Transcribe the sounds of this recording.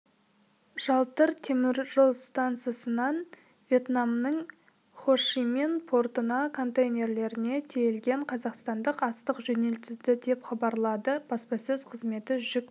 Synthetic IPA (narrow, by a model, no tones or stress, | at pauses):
ʒ̥ɑlˠt̪əɾt̪ʰe̞mɪɾʒolˠst̪ant̪sɨjasənɑn | vʲje̞t̪namnəɴ | χo̞ʃime̞npʰo̞rt̪ənɑkʰo̞nt̪ejnʲe̞ɾle̞ɾɪne̞t̪ʰejelɡʲe̞ɴqʰɑzɑqst̪ɑnd̪əqɑst̪əqʒɵne̞lt̪ɪzd̪ɪd̪e̞pχɑbɑɾlˠɑd̪əb̥ɑspɑsɵzqʰəzme̞t̪ɪʒʏk̚